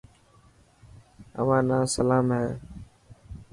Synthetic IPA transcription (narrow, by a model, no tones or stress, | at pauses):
ə̰ʋãːnãːsəlaːmɦɛː